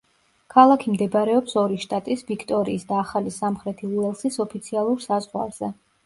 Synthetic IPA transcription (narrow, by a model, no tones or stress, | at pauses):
kʰalˠakʰimd̪ɛbɾɛɔpsɔɾiʃt̪ʼat̪ʼisvikʰt̪ʼɔɾiːsd̪aːχalisamχɾɛt̪ʰiluɛlˠsisɔpʰit̪sʰialˠuɾsazʁwa̰ɾz̥ɛ